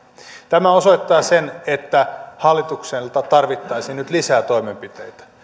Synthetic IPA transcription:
t̪æmæosoit̪ːɑːsenet̪ːæhɑlːit̪ukselt̪ɑt̪ɑrʋit̪ːɑisinyt̪lisæːt̪o̞imempit̪ḛjt̪æ̥

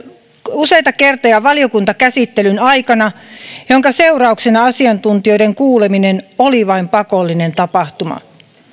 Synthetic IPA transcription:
usejt̪ɑkert̪ojɑʋɑlio̞kunt̪ɑkæsit̪ːelynɑikɑnɑjoŋkɑse̞urɑuksenɑɑsiɑnt̪unt̪io̞jdeŋkuːleminenoliʋɑimpɑkolːinent̪ɑpɑht̪umɑ̰

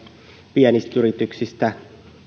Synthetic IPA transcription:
piɛnist̪yɾit̪yksist̪æ

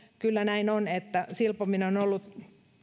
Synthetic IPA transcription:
kylːænæinonet̪ːæsilpominonolːut̪

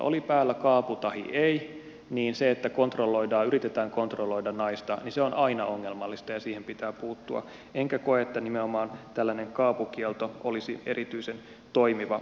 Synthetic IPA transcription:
ʔo̰lipæːlːækɑːput̪ɑhḭʔei | niːnseet̪ːækont̪rolːo̞idɑːyɾit̪et̪æːŋkont̪rolːoidɑnnɑist̪ɑninseonʔɑinɑoŋːelmɑlːist̪ɑjɑsiːhempit̪æːpuːt̪ːuɑ̰ | eŋkækoeet̪ːænimeomɑːnt̪ælːæneŋkɑːpukielt̪oʔolisiḛɾʔit̪yisen | t̪oimiʋɑ

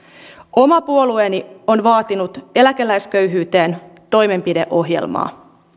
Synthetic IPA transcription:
o̞mɑpuoluenio̞nʋɑːt̪inut̪e̞lækelːæjskøɥɦyːt̪eːnt̪o̞jme̞mpide̞̰ʔo̞ɦjḛlmɑ̰ː

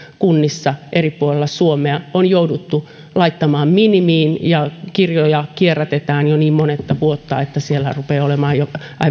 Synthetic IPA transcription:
kunːisːɑʔeripːuolelːɑsuomeɑonjoudut̪ːu | lɑit̪ːɑmɑːmminimiːnjɑkirjojɑkierːæt̪et̪æːnjoniːmmonet̪ːɑʋuot̪ːɑ̰et̪ːæsielærupeːolemɑːjoʔɑi

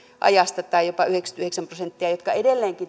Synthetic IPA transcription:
ʔɑ̰jɑst̪ɑt̪ɑijopɑyhekst̪yheksæmprosent̪ːiɑjot̪kɑedelːeːŋki

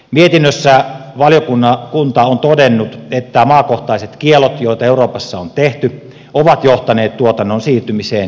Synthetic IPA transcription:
miet̪inːøsːæʋɑljokunːɑkunt̪ɑont̪odenːut̪et̪ːæmɑːkoht̪ɑiset̪kielot̪joˑit̪ɑeuroːpɑsːɑont̪eht̪y | oʋɑt̪joht̪ɑneːt̪t̪uot̪ɑnːonsiːrt̪ymiseːn

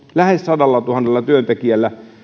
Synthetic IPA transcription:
læhessɑdɑlːɑt̪uhɑnːelːɑt̪yønt̪ekiælːæ

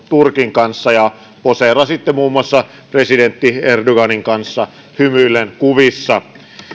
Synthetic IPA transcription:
t̪urkiŋkɑnsːɑjɑ | poserɑsit̪ːemuːmuɑsːɑ | president̪ːierdoɡɑniŋkɑnsːɑ | hymylːˑenkuʋisːɑ

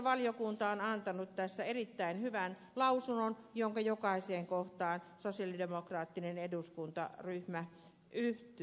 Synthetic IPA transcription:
ʋɑljokunt̪ɑonɑnt̪ɑnut̪t̪æsːæerit̪ːæinhyʋæn | lɑusunonjoŋkɑjokɑˑiseːŋkoht̪ɑːnsosijɑlidemokrɑːt̪ːineneduskunt̪ɑ̰ryhmæ | ʔyht̪y

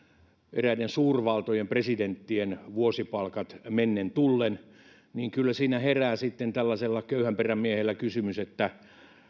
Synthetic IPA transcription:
ʔeræidensuːrʋɑlt̪ojempresident̪ːienʋuosipɑlkɑt̪menːent̪ulːen | niːŋkylːæsiːnæheræːsit̪ːent̪ælːæselːɑkøyhæmperæmmiehelːækysymyset̪ːæ

